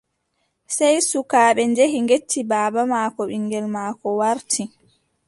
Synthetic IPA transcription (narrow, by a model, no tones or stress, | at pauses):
sɛjsukaːɓɛnd͡ʒeɦiŋɡetːibaːbamaːkɔɓiŋːɡɛlmaːkɔwaɾtʰi